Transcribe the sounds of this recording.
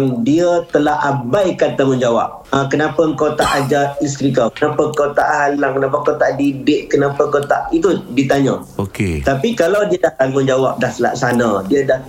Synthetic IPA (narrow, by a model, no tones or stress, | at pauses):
ŋdiət̪əlaɦabajkat̪aməɲd͡ʒawa̰p̚akənapəəŋkawt̪aʔad͡ʒais̬t̪ɾikakənapəkawt̪aʔɦalaŋkənap̬əkawt̪aʔdidɪʔkənapəŋkat̪aʔit̪udit̪aɲə̰ | oket̪apikalawdiədahk̪anmənd͡ʒawap̚dahsəla̰ksanadiədah